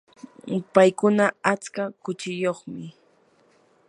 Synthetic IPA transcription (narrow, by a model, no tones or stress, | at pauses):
pajkʊnaat͡skakʊt͡ʃɪjoχmɪ